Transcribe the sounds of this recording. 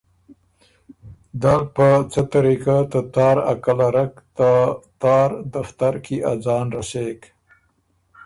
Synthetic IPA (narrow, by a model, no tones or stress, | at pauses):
d̪alpət͡sət̪aɾikat̪at̪ɑːɾa̰kalaɾakt̪at̪ɑːɾd̪aft̪aɾkʰiʔad͡zɑːnɾasek